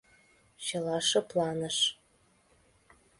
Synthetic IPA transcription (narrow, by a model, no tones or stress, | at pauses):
ɕɤ̆lɑʃɤ̆plɑnə̆ʃ